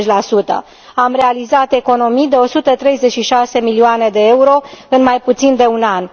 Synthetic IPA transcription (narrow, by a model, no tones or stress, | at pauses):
t͡ʃʲlasut̪ə̰ | amre̞alizat̪e̞ko̞no̞mijd̪e̞o̞sut̪ət̪ɾe̞jze̞t͡ʃʃiʃase̞milioane̞d̪e̞e̞uɾo̞ɨnmajput̪sind̪e̞unan